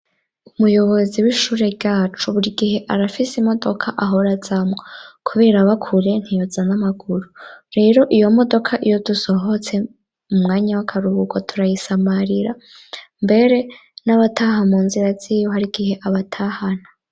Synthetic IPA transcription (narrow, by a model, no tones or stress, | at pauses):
umujo̞βo̞ziwiʃuːɾe̞bɟaːt͡ʃuβuɾiɡihe̞ʔaɾafisimo̞do̞kʰaʔaɦo̞ɾaz̥amwokʰuβe̞ːɾaβakʰuɾe̞n̥hijozanamaɡuɾuɾe̞ːɾo̞ʔijo̞mo̞do̞kʰaʔijo̞duso̞ɦo̞t͡se̞ | mumŋaːɲawakʰaɾuβuɡotʰuɾajisamaɾiɾa | mbe̞ɾe̞naβatʰaɦamuːnziɾaz̥ijoɦaɾiɡ̥ihe̞ʔaβatʰahana